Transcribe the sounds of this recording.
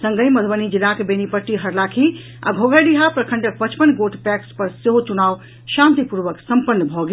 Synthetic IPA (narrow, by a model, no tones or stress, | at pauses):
sə̃ŋɡəjməd̪ʱbənid͡ʒilːakebenipəʈːiɦəɾlakʰi | a̰ɡʱoɡaɖiɦapɾəkʰəɳɖək̚pət͡ʃpənɡoʈʰpɛkspəɾseɦot͡ʃunaw | ʃãnt̪ipuɾʋəksəmpənːəbʱɔɡe